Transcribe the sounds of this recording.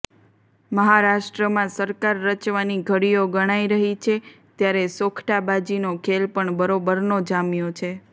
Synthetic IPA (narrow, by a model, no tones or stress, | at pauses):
məɦaɾaʃʈɾəmãsəɾkaɾːət͡ʃʋaniɡʱəɽijoɡəɽ̃aiɾəɦit͡ʃʰe | t̪jaɾesokʰʈabad͡ʒinokʰelpəɳbəɾobəɾnod͡ʒamjot͡ʃʰe